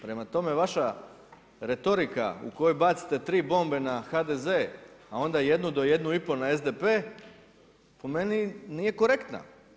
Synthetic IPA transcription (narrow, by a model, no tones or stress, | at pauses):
pɾe̞mat̪o̞me̞ʋaʃa | ɾe̞t̪o̞ɾika̰ṵko̞jojbat̪si̥t̪e̞t̪ɾiːbo̞mbe̞naxad̪e̞zeːao̞nd̪aje̞d̪nud̪o̞je̞d̪nuipo̞nae̞zd̪epe̞ː | po̞me̞ninije̞ko̞ɾe̞kt̪na̰